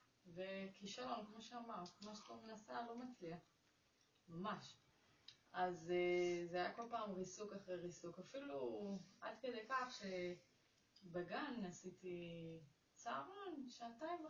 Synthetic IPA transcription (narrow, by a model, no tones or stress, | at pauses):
vekiʃalo̞nkmo̞ʃeamaʁtkmaʃtomenasalo̞mat͡sliaχ | mamaʃ | azezeajako̞lpaːmʁisukaχʁejʁisukafiluʔad̪kedejkaχʃe̞ | beɡanasiti | t͡saːʁonʃataim